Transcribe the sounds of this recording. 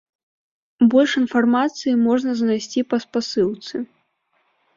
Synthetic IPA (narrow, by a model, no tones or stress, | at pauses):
bɔlʲʂinfarmat̪sɨjimɔʐnɐznajsʲt͡sʲipɐspasɨwt̪sɨ